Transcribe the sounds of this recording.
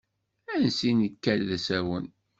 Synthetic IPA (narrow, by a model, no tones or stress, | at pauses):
ænsinəkːælːæsæwən